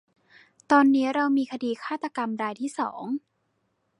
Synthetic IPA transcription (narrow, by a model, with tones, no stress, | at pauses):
t̪ɔː˧nːiː˦˥ɾa˧wmiː˧kʰa˧diː˧kʰaː˥˩t̪ːa˧ka˧mɾaː˧jt̪ʰiː˥˩sɔ̰ː˩˦ŋ